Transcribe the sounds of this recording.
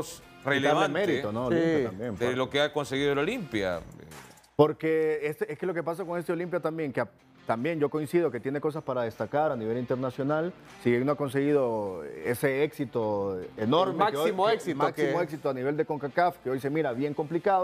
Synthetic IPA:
s | relaβaemeɾit̪onoolimjapt̪ambjempelokeakonseɣiðololimpja̰e | po̞ɾkeeseskeloke̞pasakoŋes̬t̪eo̞limpjat̪ambje̞ŋkea | t̪ambje̞nd͡ʒokoinsið̞o̞ke̞t̪jene̞ko̞s̬aspaɾað̞e̞st̪akaɾaniβelint̪eɾnasjo̞nal | sienoako̞ns̬e̞ɣiðo̞ese̞eksit̪o̞eno̞ɾmeakesomoesimksimoeksit̪oaniβe̞ld̪e̞ko̞ŋkakafkeo̞jse̞miɾaβje̞ŋko̞mplikaðo

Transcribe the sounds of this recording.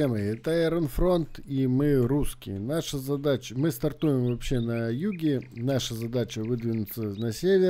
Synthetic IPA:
eməɛt̪əɛɾənfro̞nt̪imɨruskʲɪ̰jnaʂəzɐd̪at͡ɕəmɨst̪ɐrt̪ujɪmvɐpɕːenɐjuɡʲɪnaʂəzɐd̪at͡ɕəvɨd̪vʲɪnʊt̪sənɐsʲevʲɪ

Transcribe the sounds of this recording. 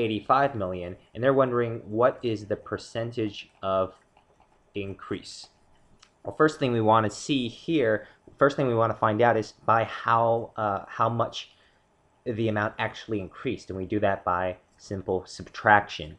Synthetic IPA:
eɪɾifaɪvmɪlˠjɨ̃nɨ̃nðə˞wʌ̃ndə˞ɪ̃ŋwʌɾɪzðɨpʰə˞sɛ̃ntɪd͡ʒʌv | ɪ̃nkʰɹ̥is | fɜ˞sθɪ̃ŋwiwɑ̃nɨsihiɹ | fɜ˞sθɪ̃ŋwiwɑ̃nʰəfãɪ̃ndaʊɾɨzb̥aɪhaʊhaʊmʌt͡ʃ | ðiɨmãʊ̃ntæk̚t͡ʃul̩ˠiɨ̃nkʰɹ̥istɨ̃nwidɨðɨt̚b̥aɪ | sɪ̃mpl̩ˠsɨb̥tʰɹ̥ækʃɨ̰̃n

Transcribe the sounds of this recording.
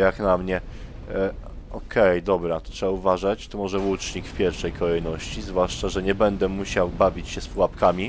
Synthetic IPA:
jaknamɲɛ | ɔkʰɛjd̪ɔbɾat̪ɔt̪ʂɛbauvaʐat͡ɕt̪ɔmɔʐɛwut͡ʂɲikfpʲjɛɾfʂɛjkʰɔlɛjnɔɕt͡ɕizvwaʂt͡ʂaʐɛɲɛbɛnd̪ɛmuɕawbavʲit͡ɕɕɛspuwapkamʲi

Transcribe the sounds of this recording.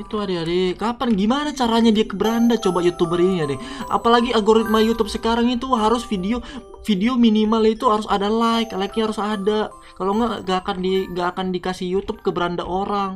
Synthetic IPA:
it̪uadeadekapanɡimanat͡ʃaɾaɲadiakəbəɾandat͡ʃobajut̪ubəɾiniadɛʔa̰palaɡialɡoɾit̪̚majut̪ʊp̚səkaɾaŋit̪uɦaɾʊsfideo | fideominimalit̪uɦaɾʊsadalaɪklaik̚ɲhaɾʊsada | kaloŋɡaʔŋɡaʔːkandiŋɡaʔːkandikasɪhjut̪ʊp̚kəbəɾandaʔoɾaŋ

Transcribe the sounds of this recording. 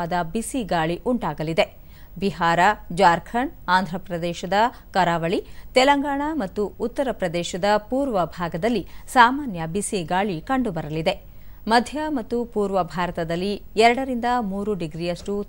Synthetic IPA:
aːd̪ɐbisiɡaːɭiʔuɳʈaːɡɐlid̪e̞ | biɦaːɾɐd͡ʒaːɾkʰɐɳaːnd̪ʱɾɐpɾɐd̪ɛːʃɐd̪ɐ | kɐɾaːʋɐɭit̪ɛlɐŋɡaːɳamɐt̪ːuut̪ːɐɾɐpɾɐd̪ɛːʃɐd̪ɐpuːɾʋɐbʱaːɡɐd̪ɐlːisaːmaːnjɐbisiɡaːɭikɐɳɖubɐɾɐlid̪e̞ | mɐd̪ʱjɐmɐt̪ːupuːɾʋɐbʱaːɾɐt̪ɐd̪ɐlːiɛɾɐɽɐɾind̪ɐmuːɾuɖiɡɾijɐʂʈu

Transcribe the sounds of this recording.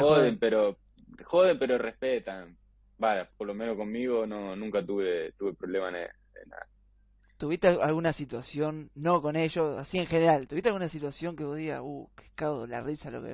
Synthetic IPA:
xoðempeɾo | xoðempeɾorehpet̪an | baʒapoɾlomenohko̞mmiɣo̞nonũŋkat̪uβet̪uβe̞pɾo̞βlemanḛ | ḛna̰ | t̪uβist̪ealɣunasit̪wasjo̞nːo̞ko̞ne̞ʒoa̰sie̞ŋxe̞neɾalt̪uβiht̪eaɣunasit̪wasjo̞ŋkeβoðiɣa̰uke̥kawola̰risalo̰kḛ

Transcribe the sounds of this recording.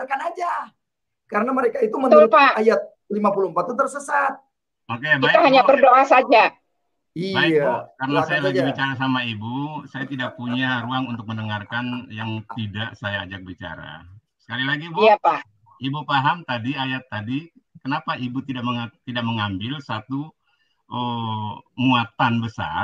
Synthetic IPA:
akanad͡ʒa | kaɾənaməɾekait̪uməupaajat̪̚ | limapuluəmpat̪ːut̪ərsəsat̪̚ | makajabiauɦaɲabərdoʔasad͡ʒa | ibaiakaɾənasajalaɡibit͡ʃaɾas̬amaibusajat̪idak̚puɲaɾuaŋunt̪ʊk̚məndəŋarkanjaŋt̪idaʔsajaːd͡ʒak̚bit͡ʃa̰ɾa̰ | sə̥kalilaɡibiapa | ibupaɦamt̪adiajat̪ːadi | kənapaʔibut̪idaʔməŋat̪idaʔ̚məŋambɪlsat̪u | ʔə | muat̪anbəsa̰

